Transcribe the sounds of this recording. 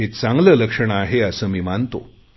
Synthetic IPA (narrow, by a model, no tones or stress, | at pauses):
et͡sãŋɡləːləkʂəɳ̃aaɦeəsəːmiːmant̪o